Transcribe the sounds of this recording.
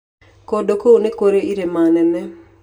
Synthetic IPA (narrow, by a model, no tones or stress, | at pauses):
kodokounekoɾeiɾemanɛnɛ